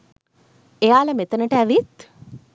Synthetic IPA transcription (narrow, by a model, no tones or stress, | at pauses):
eaːlɐmet̪ɐnəʈɛʋit̪